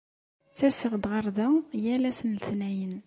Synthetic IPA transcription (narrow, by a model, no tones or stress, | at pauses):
t͡sːæsəʁd̪ʁəɾˤðæjælæsənlθnæjən